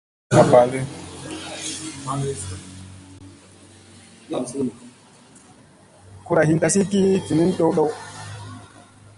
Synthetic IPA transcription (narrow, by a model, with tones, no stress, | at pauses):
a˨ba˨lɛ˦˨ | ku˨ɾa˨hi˨nta˨si˦ki˦ki˨ni˦nɗɔ˦wɗɔ˦w